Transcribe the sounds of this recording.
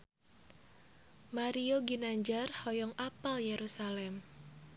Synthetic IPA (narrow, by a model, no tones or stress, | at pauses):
maɾioɡinaɲd͡ʒarhɔjɔŋapaljeɾusalɛm